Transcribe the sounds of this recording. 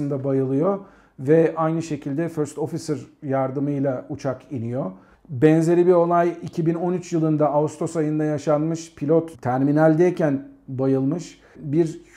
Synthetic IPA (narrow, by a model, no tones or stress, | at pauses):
ɯnd̪abajɯlˠɯjo̞ | vɛʔajnɯʃe̞cʰilʲd̪ɛføɾst̪o̞fisɯɾjaɾd̪ɯmɯjlˠaut͡ʃʰakinijo̞ | bɛnze̞ɾʲibio̞lˠajicʰibino̞nyt͡ʃjɯlˠɯnd̪aaust̪ʰo̞sajɯnd̪ajaʃanmɯʃpʰilʲot̪t̪ʰːæɾminælʲd̪ɛjcʰænbajɯlˠmɯʃ | biɾ